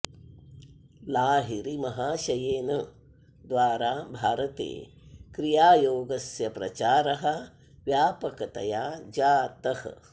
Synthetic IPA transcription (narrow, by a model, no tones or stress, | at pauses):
laːɦiɾimɐɦaːʃɐjeːnɐ | d̪ʋaːɾaːbʱaːɾɐt̪ḛː | kɾijaːjoːɡɐsjɐpɾɐ̰t͡ʃaːɾɐɦɐ̆ | ʋjaːpɐkɐt̪ɐ̰jaːd͡ʒaːt̪ɐhɐ̰